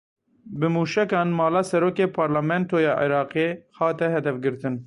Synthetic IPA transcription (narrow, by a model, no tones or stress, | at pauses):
bɨmuːʃɛkɑːnmɑːlɑːsɛɾoːkeːpʰɑːɾlamɛnt̪oːjɑːʔḭɾɑːqeːhɑːt̪ɛhɦɛd̪ɛfɡɨɾt̪ɨn